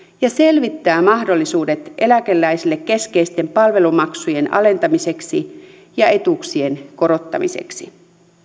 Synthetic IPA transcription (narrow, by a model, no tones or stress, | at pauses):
jɑse̞lʋit̪ːæːmɑhdo̞lːisuːdet̪ʔe̞lækelːæisilːekːe̞skeist̪e̞mpɑlʋe̞lumɑksuje̞nɑ̰le̞nt̪ɑmise̞ksi | jɑe̞t̪uksie̞nko̞ɾo̞t̪ːɑ̰mḭsḛksi